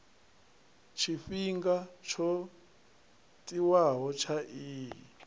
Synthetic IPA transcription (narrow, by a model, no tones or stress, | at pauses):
t͡ʃʰifiŋɡat͡ʃʰɔ | tʼiwaɦɔt͡ʃʰaʔiːɦ